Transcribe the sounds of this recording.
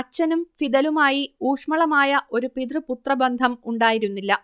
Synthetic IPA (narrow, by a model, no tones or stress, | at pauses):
ɐt͡ɕːɐnumfid̪ɐlumaːjiuːʂmɐɭɐmaːjɐʔo̞ɾupiðrɨput̪rɐbɐnd̪ʱɐmuɳɖaːjiɾunːilːɐ